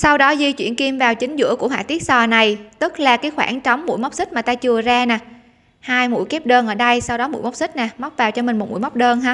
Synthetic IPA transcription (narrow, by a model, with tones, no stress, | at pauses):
sa˧wɗɔ˨˦zi˧t͡ɕwḭ˧˩ənki˧mvaː˨˩wt͡ɕï˨˦ŋ̟zɨ̰˧˥əku˧˩əɦa̰ː˧˨˩t̪i˦˥ək̚sɔː˨˩na˨˩jt̪ɨ˦˥k̚laː˨˩kaː˨˦jxwaː˧˩nt͡ɕɔ˨˦wŋ͡mmːṵ˧˥jma˦˥k͡p̚sï˦˥k̟̚maː˨˩t̪aː˧t͡ɕɨ˨˩əzaː˧naː˨˩ | haː˧jmṵ˧˥˩jke˦˥p̚ɗəː˧nʔəː˧˩ɗə˧jsa˧wɗɔ˨˦mṵ˧˥˨jma˦˥wk͡p̚sï˦˥k̚naː˨˩m˦˥k͡p̚vaː˨˩wt͡ɕɔ˧mï˨˩ŋ̟mo˨˩t̚mṵ˧˥˩jma˦˥k͡p̚ɗəː˧nɦaː˨˦